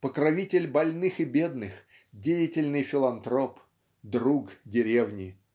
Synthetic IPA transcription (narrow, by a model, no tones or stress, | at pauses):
pəkɾɐvʲitʲɪlʲbɐlʲnɨxɨbʲed̪nɨx | dʲejɪtʲɪlʲnɨjfʲɪlˠɐnt̪ɾop | d̪ɾukdʲɪɾʲevnʲɪ